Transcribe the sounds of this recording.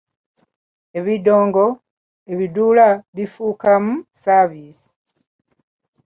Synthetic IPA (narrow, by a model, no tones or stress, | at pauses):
e̞βido̞ːŋɡo̞ | e̞βiduːlaβifuːkamusavisi̥